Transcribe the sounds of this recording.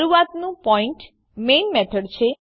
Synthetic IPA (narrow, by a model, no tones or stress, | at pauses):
ɾuat̪nũpɔiɳʈ | menmɛt̪ʰəɖt͡ʃʰe